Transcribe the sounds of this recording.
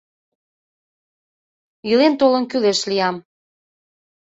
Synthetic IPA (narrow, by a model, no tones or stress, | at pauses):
ilent̪olənkyleʃliɑm